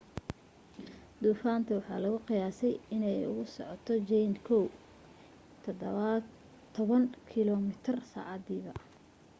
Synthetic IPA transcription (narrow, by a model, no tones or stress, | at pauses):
d̪̥uːfaːnt̪ʰɐwɑħɑ̰ːlɐɣʊqɪjaːsɛjɪnɛjʊ̰ɣʊsɔ̰ʕɔt̪ʰɔt͡ʃɛjnkʰɔw | t̪ʰɐd̪ | t̪ʰːɔβɐŋkʰɪlɔmɪt̪ʰɪrsa̰ːʕɑd̪iːβɐ